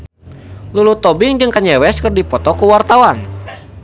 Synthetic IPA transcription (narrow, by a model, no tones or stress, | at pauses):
lulut̪ɔbɪŋd͡ʒɨŋkaɲɛwɛskɨrdipɔt̪ɔkuwart̪awan